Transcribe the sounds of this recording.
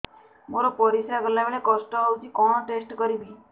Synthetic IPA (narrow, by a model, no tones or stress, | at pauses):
moɾɔpɔɾisɾaɡɔlabeɭekɔsʈɔɦɔwt͡ʃʰikɔɽ̃ɔʈesʈkɔɾibi